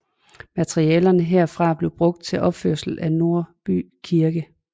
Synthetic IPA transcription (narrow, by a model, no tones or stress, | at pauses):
mæt͡sʰʁiɛːlɐnəɦeɐ̰fʁɑ̈b̥le̝ʊb̥ʁɔ̽ɡ̥̚d̥̚t͡sʰe̝lʔɒ̽b̥føɐsl̩æno̝ɐ̰b̥y̰ː | kʰiɐɡ̥ə